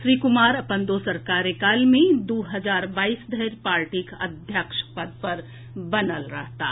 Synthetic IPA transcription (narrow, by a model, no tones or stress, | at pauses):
ʃɾiːkʊmaːɾɐpə̃nd̪osəɾkaːɾekaːlmẽd̪uːɦəzaːɾbaːiːsd̪əɦɾpaːɾʈiːkɐ̰d̪ʱjəkʃpəd̪̚pɐɾ | bɐnəlɾəɦt̪a̰ː